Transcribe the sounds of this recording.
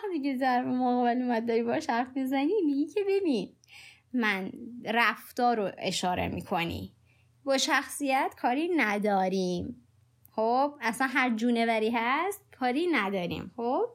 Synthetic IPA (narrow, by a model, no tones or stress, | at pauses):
æxt̪icezæɾmoɣɒːbelemæt̪̚d̪ɒːɾiːbɒʃhæɾfmizænimiɡiːcʰebebiːn | mænɾæft̪ɒːɾoʔe̞ʃɒːɾḛmḭːkʰo̞nḭː | bɒːʃæxsijæt̪kʰɒːɾiːnæd̪ɒːɾiːm | xob̥̚æsænɦæɾd͡ʒuːnevæɾiːɦæst̪̚kʰɒːɾiːnæd̪ɒːɾḭːmxob̥̚